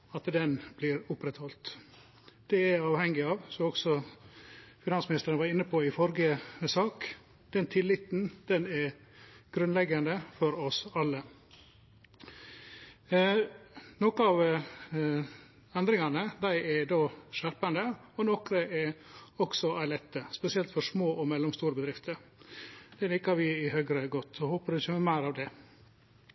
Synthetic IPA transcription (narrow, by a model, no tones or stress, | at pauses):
ɑt̪d̪ɛnbliːɾʊpɾɛt̪hɔlt̪ | d̪̥ɛɛɾɑːʋhɛŋːɪɑːʋsɔɔɡ̥sɔ | fɪnɑnsmɪnɪst̪əɾənʋɑɾɪnːəpʰɔɪfɔɾɡəsɑːk | d̪̥ɛnt̪ʰɪlːɪt̪nd̪̥ɛnɛɾ | ɡ̥ɾʉnlɛɡːɑnd̪əfɔɾɔsɑlːə | nɔkəɑʋ | ɛnd̪ɾɪŋɑnəd̪æɪʔɛd̪oːʃæɾpɑnd̪əɔnɔkɾəʔɛɾɔksɔʔæɪlɛt̪ːəspɛsɪɛlt̪fɔʂmoːʔɔmɛlːɔmst̪uːɾəbəd̪ɾɪft̪ʰəɾ | d̪̥ɛlɪːkːɑɾʋɪɪhøːɡɾəɡɔt̪ːɔhoːpəɾɪçəmɛmæɪɾɑʋd̪ɛ